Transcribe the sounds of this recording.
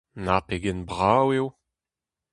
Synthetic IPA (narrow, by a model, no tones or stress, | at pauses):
napeɡɛnbʁawew